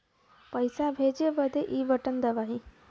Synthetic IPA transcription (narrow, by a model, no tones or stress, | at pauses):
pəjsabʱeːd͡ʒebəd̪ʱeʔiʋəʈənd̪əʋaɦi